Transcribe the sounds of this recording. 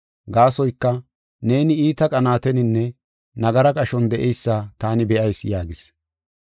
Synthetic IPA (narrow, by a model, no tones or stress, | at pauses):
ɡaːsɔjkːɐ | ne̞ːnɪiːt̪ɐkʼɐnaːt̪ɛnɪnːɛ | nɐɡɐɾɐkʼɐʃɔnd̪ɛʔɛjsːaːt̪aːnɪbɛʔɐjsjaːɡɪs